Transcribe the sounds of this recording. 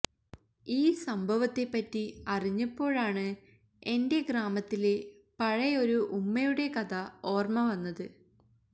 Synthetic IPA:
iːsɐmbʱɐʋɐt̪ːe̞pːɐtːiɐriɲːɐpːo̞ːɻaːɳɨ | e̞nde̞ɡraːmɐt̪ːile | pɐɻɐjo̞ɾuʔumːɐjuɽe̞kɐd̪ɐo̞ːrmɐʋɐnːɐðɨ

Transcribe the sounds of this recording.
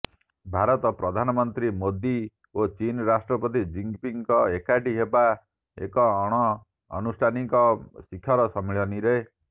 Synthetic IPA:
bʱaɾɔt̪ɔpɾɔd̪ʱanɔmɔnt̪ɾimod̪i | ot͡ʃinɾasʈɾɔpɔt̪̬id͡ʒiŋpiŋkɔekaʈiɦeba | ḛkɔːɽ̃ɔ̰ː | nusʈʰanikɔsikʰːjɔɾɔsɔmiɭɔniɾe

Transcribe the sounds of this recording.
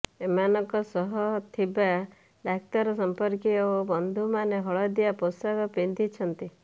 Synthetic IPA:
emanɔŋkɔsɔɦɔt̪ʰiba | d̪ak̚t̪ɔɾɔsɔmpɔɾkiobɔnd̪ʱumaneɦɔɭɔd̪iaposaɡɔpind̪ʱit͡ʃʰɔnt̪i

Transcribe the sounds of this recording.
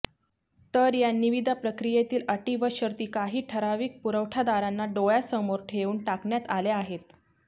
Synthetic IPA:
t̪əɾjaniʋid̪ʱapɾəkɾijet̪iːləʈiʋəɕəɾt̪iːkaɦiːʈʰəɾaʋiːk̚puɾəʋʈʰad̪aɾanːaɖojasəmoɾʈʰeuːɳʈakɳjat̪aleaɦet̪̚

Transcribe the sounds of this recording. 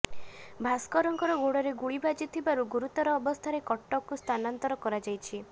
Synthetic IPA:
bʱaskɔɾɔŋkɔɾɔɡoɽɔɾeɡuɭibad͡ʒit̪ʰibaɾuɡuɾut̪ɔɾɔːbɔst̪ʰaɾekɔʈːɔkust̪ʰanant̪ɔɾɔkɔɾad͡ʒajt͡ʃʰi

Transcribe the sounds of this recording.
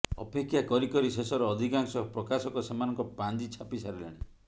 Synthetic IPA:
ɔ̰pekʰːjakɔɾikɔɾisesɔɾɔːd̪ʱikaŋsɔpɾɔkasɔkɔsemanɔŋkɔpand͡ʒit͡ʃʰapisaɾela̰ɽ̃i

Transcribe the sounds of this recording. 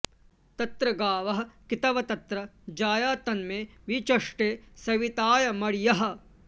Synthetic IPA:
t̪ɐt̪ɾɐɡaːʋɐɦɐ̆kit̪ɐʋɐt̪ɐt̪ɾɐd͡ʒaːjaːt̪ɐnmeːʋit͡ʃɐʂʈeːsɐʋit̪aːjɐmɐɽjɐɦɐ̆

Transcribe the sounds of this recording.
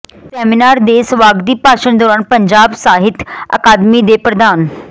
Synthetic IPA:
sɛːmɪnaːɾd̪eːsəʋaːɡd̪iːpaːʃənd̪ɔːɾaːnpəɲd͡ʒaːbsaːɦɪt̪ɐ̰kaːd̪mid̪eːpɾəd̪aːn

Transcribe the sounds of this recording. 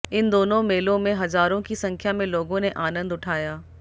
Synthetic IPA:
ɪnd̪oːnõmeːlõmẽɦɐzaːɾõkisɐ̃ŋkʰjamẽloːɡõneʔaːnə̃nd̪ʊʈʰaːjaː

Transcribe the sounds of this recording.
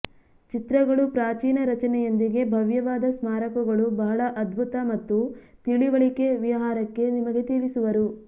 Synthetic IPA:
t͡ʃit̪ɾɐɡɐɭupɾaːt͡ʃiːnɐɾɐt͡ʃɐnɛjond̪iɡe̞bʱɐʋjɐʋaːd̪ɐsmaːɾɐkuɡɐɭubɐɦɐɭɐʔɐd̪bʱut̪ɐmɐt̪ːut̪iɭiʋɐɭike̞ʋiɐɦaːɾɐkːe̞nimɐɡe̞t̪iːʋisuʋɐɾu

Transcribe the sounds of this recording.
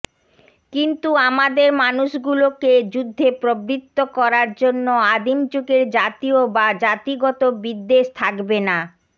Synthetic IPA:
kint̪uamad̪eɾmanuʃɡuloked͡ʑud̪ʱːepɾobɾit̪ːokɔɾaɾd͡ʑonːoad̪imt͡ɕukeɾd͡ʑat̪iobad͡ʑat̪iɡɔt̪obid̪ːeʃt̪ʰakbena

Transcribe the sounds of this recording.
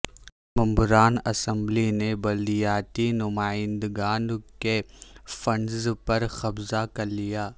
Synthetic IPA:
mɐ̃mbʊɾaːnɐsə̃mblinebɐld̪ijaːt̪inʊmaːɪ̃nd̪ɡaːnkefɐnzpɐɾxɐbzakɐɾlijaː

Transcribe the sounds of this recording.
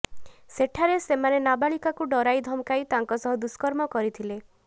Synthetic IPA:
seʈʰaɾesemanenabaɭikakuɖɔɾajd̪ʱɔmkajt̪aŋkɔsɔɦɔd̪uskɔɾmɔkɔɾit̪ʰile

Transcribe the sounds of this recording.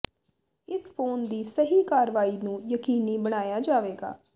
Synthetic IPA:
ɪspʰoːnd̪iːsəɦiːkaːɾʋaːiːnũːjəkiːniːbəɽ̃aːjaːd͡ʒaːʋeːɡa̰ː

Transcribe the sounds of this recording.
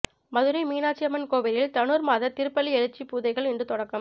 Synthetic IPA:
mɐðɯɾɐɪmiːnaːt͡ʃːɪɐmɐnkoːʋɐɾɪlt̪ɐnuːɾmaːðɐt̪ɪɾɯpːɐlːiɛɻɯt͡ʃːipuːðɐɪɣɐɭɪnɳɖrɯt̪ɔɽɐkːɯm

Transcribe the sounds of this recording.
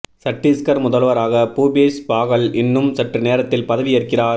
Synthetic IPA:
sɐʈːiskɐɾmʊðɐlʋɐɾaːɣɐpuːbeːspaːɣɐɭɪnːɯmsɐʈrɯneːɾɐt̪ːɪlpɐðɐʋɪjɐrkɪraː

